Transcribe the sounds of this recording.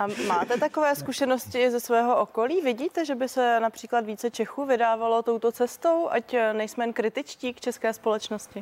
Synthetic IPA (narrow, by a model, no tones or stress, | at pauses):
ʔamaːt̪ɛt̪ako̞vɛːskuʃɛnoscɪzɛsvɛːɦo̞ʔoko̞liːvɪɟiːt̪ɛʒɛbɪsɛnapr̥iːklat̪viːt͡sɛt͡ʃɛxuːvɪdaːvalo̞t̪o̞wt̪o̞t͡sɛst̪owʔacnɛjsmɛnkɾɪt̪ɪt͡ʃciːkt͡ʃɛskɛːspo̞lɛt͡ʃnoscɪ